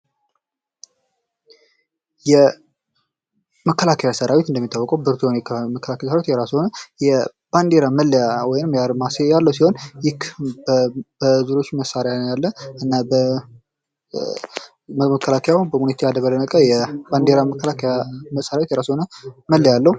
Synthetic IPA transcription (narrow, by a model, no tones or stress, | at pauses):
jɛ | məkʰːəlakʰəjasəɾawet̪ɨnd̪əmːit̪ʰːawːɔkʼəwbɨɾt̪ʰujamɛməkʰːəlakʰajasəɾawet̪jɛɾashonəjɛ | b̥and̪eɾaməlːjawɔjnɨmjaɾmasejalːəwsiho̞njɪkʰːbb̥əzuɾo̞t͡ʃːməsaɾjanjalːəɨnːabə | əkʰːəlakʰəjawbəmunet̪ʰejad̪əβələnəkʼəjɛband̪eɾaməkːəlakʰəjaməsːəɾawet̪jɛɾashonəməlːajalːəhu